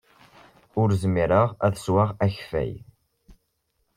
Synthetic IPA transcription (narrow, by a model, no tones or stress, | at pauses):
ʊɾzmiɾəʁæðswaʁæçfæ̰j